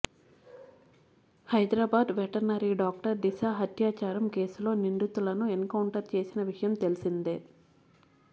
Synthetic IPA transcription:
hɐjd̪ɾaːbaːd̪ʋɛʈɐɾnɐɾiːɖaːk̚ʈɐɾd̪iʃaːɦɐt̪jaːt͡ʃaːɾɐmke̞ːsulo̞ːniɳɖut̪ulɐnuenkɐwɳʈɐɾt͡ʃe̞ːsinɐʋiʂɐjɐmt̪e̞lisind̪eː

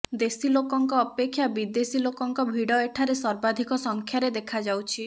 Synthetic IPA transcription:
d̪esilokɔŋkɔːpekʰːjabid̪esilokɔŋkɔbʱiɽɔeʈʰaɾesɔɾbad̪ʱikɔsɔŋkʰjaɾed̪ekʰad͡ʒawt͡ʃʰi

